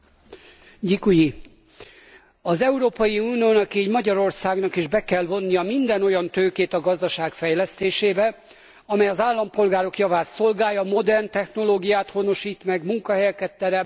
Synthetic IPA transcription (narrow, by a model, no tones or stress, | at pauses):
ɟikuji | ɒzɛuɾoːpɒjiuːnijoːnɒkiɛɟmɒɟɒɾo̞rsaːɡnɒkiʒbɛkɛlvo̞nːijɒmind̪ɛno̞jɒnt̪øːkeːt̪ɒɡɒzd̪ɒʃaːkfɛjlɛst̪eːʃeːbɛ | ɒmɛjɒzaːlːɒmpo̞lɡaːɾo̞kjɒvaːt̪so̞lɡaːjɒmo̞d̪ɛrnt̪ɛxno̞loːɡijaːt̪ho̞no̞ʃiːt̪mɛɡmuŋkɒɦɛjkɛt̪ːɛɾɛ